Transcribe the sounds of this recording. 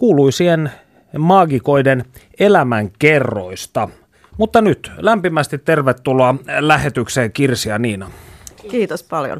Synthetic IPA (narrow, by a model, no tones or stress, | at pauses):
kuːluisiːhen | mɑːɡiko̞iden | elæmæŋkerːo̰ist̪ɑ | mut̪ːɑnyt̪læmpimæst̪it̪tːe̞rʋet̪ːuloɑlæhet̪ykseːkirsiɑniːnɑkiːt̪ospɑljo̰n